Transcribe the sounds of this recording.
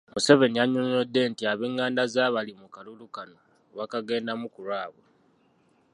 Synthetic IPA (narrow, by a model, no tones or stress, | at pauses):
muse̞ve̞nijaɲoɲodːe̞ntiaβeŋːaːndazaːβalimukalulukano | βakaɡe̞ːndamukuɾwaːβwe